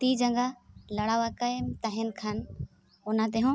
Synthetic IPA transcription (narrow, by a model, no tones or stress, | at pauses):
t̪iːd͡ʑɐ̃ŋɡalɐɽaːʋakɐmt̪aɦɪnkʰaːn | ʊnãt̪̬eɦõ